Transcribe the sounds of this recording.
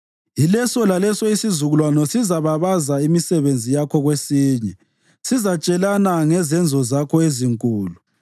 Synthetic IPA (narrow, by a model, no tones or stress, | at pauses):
ilɛsɔlalɛsɔisizuɣulwanɔsizaβaβazaimisɛβend͡zʱijakʰɔɣwesiːɲɛ | sizat͡ʃʼɛlanaŋɛzɛnd͡zʱɔzakʰɔeziŋkʼuːlu